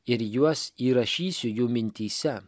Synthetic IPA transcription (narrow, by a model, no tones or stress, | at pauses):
ɪɾjuɔsiːɾɐʃʲiːsʲʊjuːmʲɪnʲt̪ʲiːsʲɛ